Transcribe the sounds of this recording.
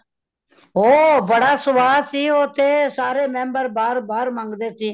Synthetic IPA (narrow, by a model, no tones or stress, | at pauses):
oːbəɽaːsʊʋaːsiːoːt̪ʰeːsaːɾeːmɛ̃ːmbəɾbaːɾbaːɾmãːŋɡd̪eːsiː